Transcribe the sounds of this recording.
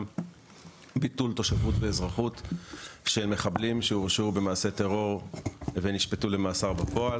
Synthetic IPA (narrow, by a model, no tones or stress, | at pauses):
bit̪ult̪o̞ʃavutveːzʁaχut̪ | ʃelme̞χablimʃeuʁʃube̞maːse̞t̪eʁo̞ʁveniʃpetule̞maːsaʁbapo̞al